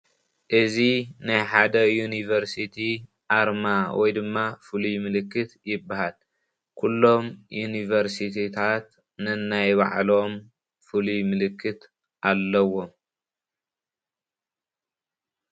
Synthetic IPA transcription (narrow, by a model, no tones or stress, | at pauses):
ʔɨzinajħad̪ɐjunivɐɾsit̪ʰi | ʔaɾmawɔjd̪ɨmːafɨlumɨlɨkːɨt̪jɪbːahal | kʰulːo̞mjunivɐɾsit̪ʰit̪ʰat̪ | nɨnajβa̰ʕlo̞m | fɨlumɨlɨkːɨt̪ | ʔalːɐwo̞m